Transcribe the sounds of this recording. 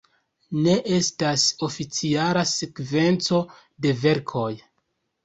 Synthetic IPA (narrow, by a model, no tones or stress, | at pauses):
ne̞ʔe̞staso̞fit͡sialasekve̞nt͡so̞ | de̞ve̞ɾkʰo̞j